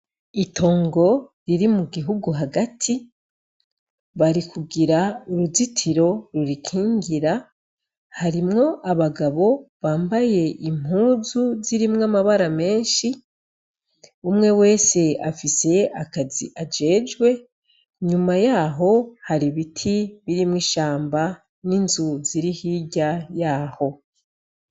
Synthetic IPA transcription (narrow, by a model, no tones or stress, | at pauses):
ito̞ːŋɡo̞ɾiɾimuɡiɦuɡuɦaɡatʰi | βaɾikuɡiɾauɾuzitʰiɾo̞ɾuɾikʰiːŋɡiɾa | haɾimŋo̞ʔaβaɡaβo̞βaːmbaje̞ʔim̥huːzuziɾimŋamaβaɾame̞ːnʃi | umŋe̞we̞ːse̞a̰fise̞akazḭʔad͡ʒe̞ːd͡ʒɡwe̞ | ɲumajaːɦo̞haɾiβitʰiβiɾimwiːʃaːmba | ninzuziɾihiɟajaːho̞